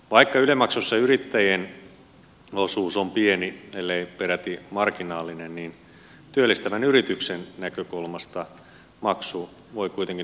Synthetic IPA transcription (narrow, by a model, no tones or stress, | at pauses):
ʋɑikːɑylemɑksusːɑyrit̪ːæjen | osuːsompienielːeipeɾæt̪imɑrkinɑːlːinenniːn | t̪yølːist̪æʋænyrit̪yksennækøkulmɑst̪ɑ | mɑksuː | ʋoikuit̪eŋki